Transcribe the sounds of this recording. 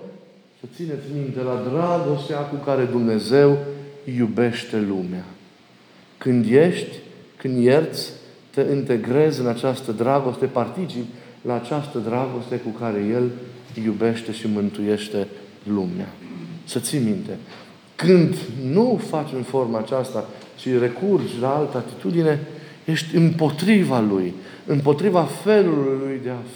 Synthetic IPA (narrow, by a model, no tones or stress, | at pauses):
sət̪sine̞t̪sʲmint̪e̞lad̪ɾaɡo̞st̪eakukaɾe̞d̪umne̞ze̞wjube̞ʃt̪e̞lumea | kɨnd̪je̞ʃt̪ʲkɨnd̪je̞rt̪sʲt̪eʔint̪e̞ɡɾe̞zɨnat͡ʃast̪əd̪ɾaɡo̞st̪e̞part̪it͡ʃiplaːt͡ʃast̪əd̪ɾaɡo̞st̪e̞kukaɾe̞je̞ljube̞ʃt̪e̞ʃimɨnt̪uje̞ʃt̪e̞ | lumea̰sət̪simint̪e̞ | kɨnd̪nufat͡ʃʲɨnfo̞rmat͡ʃast̪a | ʃire̞kurd͡ʒʲlaalt̪əat̪it̪ud̪ine̞ | je̞ʃt̪ʲɨmpo̞t̪ɾivaluj | ɨmpo̞t̪ɾivafe̞lulujd̪e̞a